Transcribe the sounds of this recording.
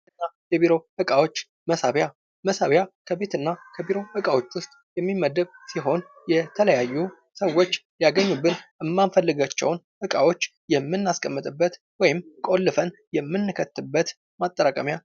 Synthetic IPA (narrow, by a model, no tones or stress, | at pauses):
ɨnːajɛbiɾo̞hɨkʼawo̞t͡ʃː | məsaβja | məsaβjakʰəbe̞t̪ɨnːakʰəbiɾo̞hɨkʼawo̞t͡ʃːwʊst̪ʼjɛmːimːəd̪əβsiɦo̞n | jɛt̪ʰələjajːu | səwːo̞t͡ʃː | jaɡəɲːubːɨnʔɨmːanfəlːɨɡat͡ʃːɛ̰wn | hɨkʼawo̞t͡ʃː | jɛmːɨnːaskʼəmːɨt̪ʼɨbːət̪ | wɔjɪmkʼo̞lːɨfənjɛmːɨnːɨkʰət̪ːɨbːət̪ | mat̪ʼːəɾakʼəmja